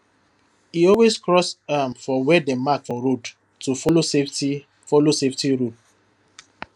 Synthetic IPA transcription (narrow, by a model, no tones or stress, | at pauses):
hiɔlweskɹɔsamfɔwɛdɛmakfɔɹod | tulosei | fɔloseftiɹud̚